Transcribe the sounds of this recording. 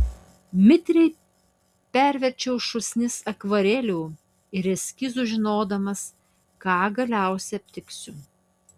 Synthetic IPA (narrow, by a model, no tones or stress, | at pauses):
mʲɪt̪ʲɾʲɛɪ | pʲæˑɾʲʋʲɛɾʲt͡ʃʲɛʊʃʊsʲnʲɪsɐkʋɐɾʲɛlʲuː | ɪɾɛsʲkʲɪzuʒʲɪnoːd̪ɐmɐs | kɑːɡɐlʲæˑʊsʲɛɐpʲt̪ʲɪksʲʊ